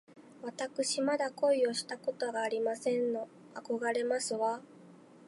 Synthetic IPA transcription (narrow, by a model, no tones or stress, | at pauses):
βat̪akɯ̟ɕimad̪ako̞io̞ɕi̥t̪ako̞t̪o̞ɡaːɾʲimasẽ̞nːo̞ | ako̞ɡaɾe̞masɨβa